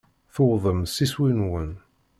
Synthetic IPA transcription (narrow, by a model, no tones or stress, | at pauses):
θoðˤəmsiswinwən